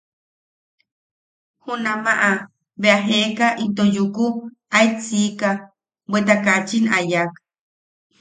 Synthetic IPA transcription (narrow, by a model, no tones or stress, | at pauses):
hunamaʔa | βeaɦeʔkaʔit̪ojuku | ait͡sika | bwʷet̪akat͡ʃinajak